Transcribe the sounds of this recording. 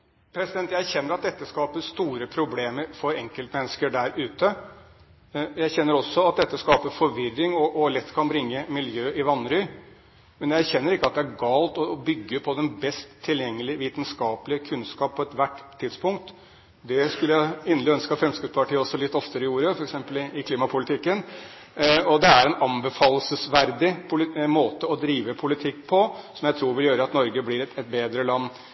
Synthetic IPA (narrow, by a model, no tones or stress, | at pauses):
pʰɾɛsɪd̪ɛnt̪jæɪæɾçɛnːəɾɑt̪̚d̪ɛt̪ːəskɑːpəst̪uːɾəpʰɾʊbleːməɾfɔɾɛŋkəlt̪mɛnːəskəɖæɾʉːt̪ə | jæɾçɛnːəɾɔsːɔɑt̪̚d̪ɛt̪ːəskɑːpəfɔɾʋɪrːɪŋɔʔɔlɛt̪ːkʰɑnbɾɪŋːəmɪljøːʔɪʋɑnɾʏ | mɛnjæɪæɾçɛnːəɾɪkːəɑt̪̚d̪ɛæɾɡɑːlt̪ɔbʏɡːəpʰɔd̪ɛnbɛst̪ʰːɪljɛŋːəlɪʋiːt̪nskɑːpəlɪəkʰʉnskɑːppʰːɔɛt̪ʋæʈt̪ʰːɪd̪spʊŋk̚t̪ | d̪ɛskʉləjæɑɪnəlɪœnskɑfɾɛmskɾɪp̪spɑʈiːəɔsːɔlɪt̪ːɔft̪əɾəɪjuːɾəfɔɾɛksɛmpəlɪɪkʰliːmɑpʰʊlɪt̪ʰɪkːən | ɔd̪ɛæɾɛnɑnbəfɑːlːəsəsʋæɾd̪ɪpʰʊlɪmoːt̪əɔd̪ɾiːʋəpʰʊlɪt̪ʰɪkːpʰɔsɔmjæɪt̪ʰɾuːɾʋɪljøːɾəɑt̪nɔɾɡəblɪɾɛt̪ɛt̪̚beːd̪ɾəlɑnː